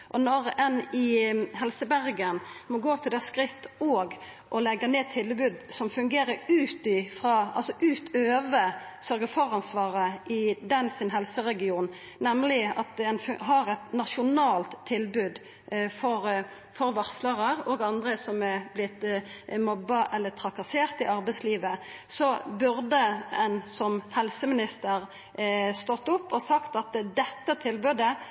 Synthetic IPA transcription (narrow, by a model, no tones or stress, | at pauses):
ʔɔnɔɾɛnɪɦɛlsəbæɾɡənmɔɡoːt̪ʰɪld̪ɛhæskɾɪt̪ːɔɡ | ʔɔlɛɡːəneːt̪ʰːɪlbʉːd̪sɔmfʉŋɡeːɾəɾʉːt̪ɪfɾɑːɑ̰lsɔʔʉːt̪ʰøːʋə | sœɾɡəfɔʁɑnsʋɑːɾəʔɪd̪ɛnsɪnɦɛlsəʁɛɡɪuːn | nɛmlɪɑt̪̚d̪ɛɛnfɦɑɾɛt̪nɑʃʊnɑːlt̪ʰːɪlbʉːd̪ | fɔɾ | fɔɾʋɑʁsləʁəʁoːɡɑnd̪ʁəsɔmɛblɪt̪mɔbːɑʔɛlːət̪ʰʁɑkɑseːʁt̪ɪʔɑɾbɛɪsliːʋəsɔbʉɾd̪əɛnsɔmhɛlsəmɪnɪst̪əɾ | st̪ɔt̪ːʊpːɔsɑkt̪ɑt̪d̪ɛt̪ːət̪ʰɪlbʉːd̪ə